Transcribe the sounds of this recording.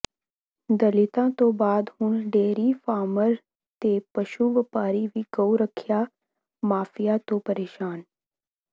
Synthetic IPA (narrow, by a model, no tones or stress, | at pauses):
d̪əlɪt̪ãːt̪õːbaːd̪hʊnɖeːɾiːfʰaːməɾ | t̪eːpəʃuːʋɪpaːɾiːʋiɡəuɾəkʰjaː | maːfʰɪjaːt̪õːpəɾeːʃaːn